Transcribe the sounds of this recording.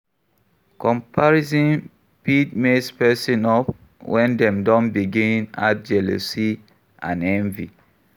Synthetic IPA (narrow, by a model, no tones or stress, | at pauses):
kɔ̃mpʰaɹizɔ̃n | pidmespɛsĩnɔp | wʔɛ̃ndɛ̃mdɔ̃nbiɡĩnna̰t̚d͡ʒɛlo̰si | ã̰nɛ̃nvi